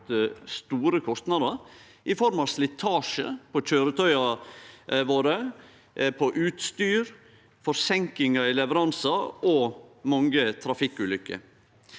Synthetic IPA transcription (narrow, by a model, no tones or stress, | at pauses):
əst̪uːɾəkʰɔst̪nɑd̪əɾ | ʔɪfɔɾmɑʋslɪt̪ʰɑːʂə̰pʰɔc͡çøːɾət̪ʰœʏɑ | ʋoːɾə | pʰɔʔʉːt̪st̪yːɾ | fɔɾsɛŋkɪŋɑɪlɛʋəɾɑnsɑɔmɑŋət̪ʰɾɑfɪkːʉːlʏkːə̰